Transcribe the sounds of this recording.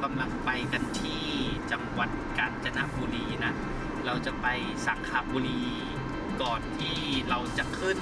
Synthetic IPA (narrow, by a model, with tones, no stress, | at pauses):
ka˧mla˧ŋpa˧jka˧nt̪ʰiː˥˩t͡ɕa˧ŋwa˨˩t̪̚kaː˨˧nt͡ɕa˧na˦˥ʔbuː˧liː˧na˦˥ | ɾa˧wt͡ɕa˨˩pa˧j | sa˨˦kʰaː˧˥buː˧liː˧ | kɔː˨˩nt̪ʰiː˥˩ɾa˧wt͡ɕa˨˩ʔkʰɯ˥˩n